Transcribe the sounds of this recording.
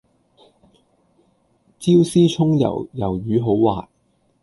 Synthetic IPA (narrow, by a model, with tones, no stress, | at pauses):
t͡siː˥wsiː˥t͡ʃʰʊ˥ŋjɐ̰˨˩wjɐ˨˩wjyː˨˧˥ɦo˨˥wwaː˨t̚